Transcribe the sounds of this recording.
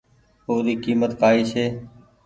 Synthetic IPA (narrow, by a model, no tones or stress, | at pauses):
oːd̪iːkiːmət̪kaːiːseː